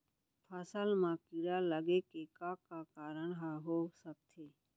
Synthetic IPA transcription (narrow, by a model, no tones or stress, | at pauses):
pʰəsəlmãkiɾaləɡekekakakaːɾəɳɦaɦosək̚t̪ʰeː